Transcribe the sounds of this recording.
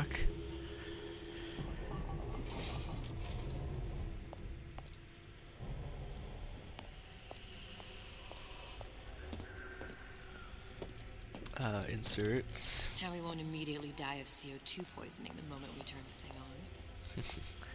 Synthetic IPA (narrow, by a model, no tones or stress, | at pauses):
k | ʌɪ̰̃nsɜ˞tshaʊwiwõʊ̃ntɨmiɾiɨtˡlidaɪʌv̥sioʊtʰʉpʰɔ̰ɪz̥ɨnɪ̰̃ŋðɨ̰mõʊ̃mɨ̰̃nʔwitʰɜ̃˞nðɨθɪ̃ŋə̃n